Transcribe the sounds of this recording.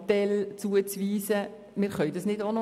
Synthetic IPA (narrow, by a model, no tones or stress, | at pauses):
tɛlt͡suət͡sʋiːsə | mɪːɾχœʏdɑsnɪdonɔ